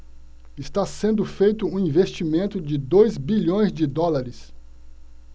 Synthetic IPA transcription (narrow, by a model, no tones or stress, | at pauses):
ɪst̪asẽnd̪ʊfejt̪ʊũĩvest͡ʃimẽnt̪ʊd͡ʒɪd̪ojzbiʎõj̃zd͡ʒɪd̪ɔlaɾɪs